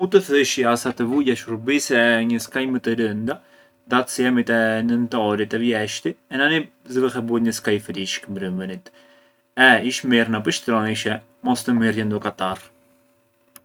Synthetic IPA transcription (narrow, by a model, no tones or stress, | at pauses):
ut̪əθəʃiasat̪əvujaʃuɾbisɛɲəskajmət̪əɾənd̪a | d̪at̪sɛmit̪ɛnənt̪ɔɾit̪ɛvjɛʃt̪iɛnani | zəvəxɛbut̪ɲəskajfliʃkəmbɾəmbənit̪ | ɛiʃmiɾnapəʃt̪ɾɔniʃɛ | mɔst̪əmirjɛnd̪ɔkat̪ar